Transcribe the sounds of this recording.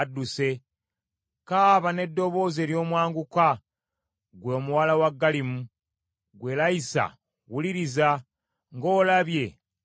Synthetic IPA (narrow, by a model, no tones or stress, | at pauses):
dːuse̞ | kaːβane̞dːo̞βo̞ːze̞ːljo̞ːmwaːŋɡuka | ɡwo̞ːmuwalawaɡːalimu | ɡwe̞laisa̰ | wuliɾiza | ŋɡo̞ːlaβje̞